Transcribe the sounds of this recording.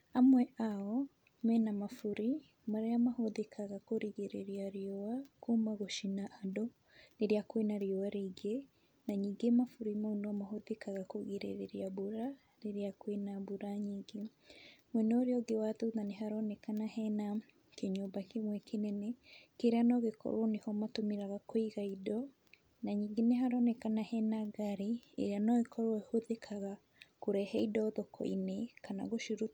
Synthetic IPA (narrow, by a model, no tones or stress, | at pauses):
amweʔawo | menamafuɾi | maɾejamahoðikʰaɡakoɾiɡeɾeɾjaɾiowakumaɡoʃinaːdo | niɾjakwenaɾjowaɾiɡe | naɲiɡemafuɾimonomaɦoðikaɡakoɡiɾḛɾeɾjaβuɾa | ɾiɾijakwenaβuɾaɲiɡe | mwɛnɔɾeɔɡewatoðaneɦaɾɔnɛkanahɛna | keɲoːmbakemwɛkʰenɛnɛkeɾeanɔɣekɔ̰ɾwɔnehɔmatomiɾaɣakoiɣaidɔ | naɲiːŋɡeneɦaɾɔnɛkanahɛnaɡaɾeḛɾeanɔɣekʰɔɾwɔehoðekʰaɣa | koɾɛhɛidɔðɔkʰɔ̰inekana̰ɣoʃuɾu